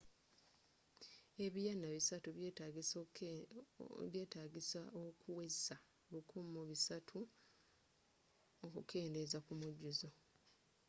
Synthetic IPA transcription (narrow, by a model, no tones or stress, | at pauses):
e̞βijanːaβisatuβjeːtaɡis | βje̞ːtaːɡisaokʰuweza | lukʰumuβisatʰu | okukʰe̞ːnde̞zakumuɟuzo